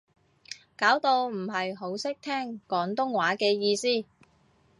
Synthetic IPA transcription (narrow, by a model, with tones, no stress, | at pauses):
kaː˨˥wt̪o˧wm̩˨˩ɦɐ˨jɦo˨˥wsɪ˥k̚t̪ʰɛː˥ŋkɔː˨˥ŋt̪ʊ˥ŋwaː˨˥kɛː˧jiː˧siː˥